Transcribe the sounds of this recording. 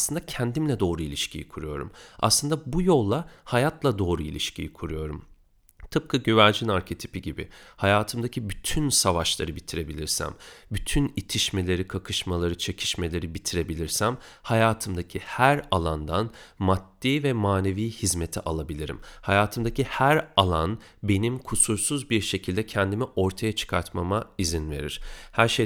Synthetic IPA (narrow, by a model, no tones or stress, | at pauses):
slˠɯnd̪acʰɛnd̪imlʲɛd̪o̞ːɾuilʲiʃcʰijḭkʰuɾujo̞ɾṵma̰slˠɯnd̪abujo̞lˠːahajat̪lˠad̪o̞ːɾuḭlʲiʃcʰḭjikʰuɾujo̞ɾum | t̪ʰɯp̚kʰɯɟøvæɾd͡ʒinaɾcʰe̞t̪ʰi̥piɟibɪ̰hajaːt̪ʰɯmd̪acʰibyt̪ʰynsavaʃlˠa̰ɾɯbit̪ʰiɾe̞bilʲiɾsæ̰mbyt̪ʰynit̪ʰiʃme̞lʲe̞ɾikʰakʰɯʃmalˠaɾɯt͡ʃʰecʰi̥ʃme̞lʲe̞ɾibit̪ʰiɾe̞bilʲiɾsæm | hajaːt̪ʰɯmd̪acʰihæɾalˠand̪anmat̪ːiːvɛmaːne̞viːhizmet̪ʰiʔalˠabilʲiɾḭmhajaːt̪ʰɯmd̪acihæɾalˠan | be̞nimkʰusuɾsuzbiɾʃe̞cʰilʲd̪ɛcʰɛnd̪imiʔo̞ɾt̪ʰajat͡ʃʰɯ̥kʰaɾt̪mamaizinve̞̰ɾḭɾ̥hæɾʃe